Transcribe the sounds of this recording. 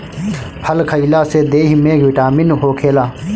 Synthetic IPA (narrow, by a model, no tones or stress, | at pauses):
pʰəlkʰəilased̪eːɦmẽɡɪʈaːmɪnɦoːkʰeːlaː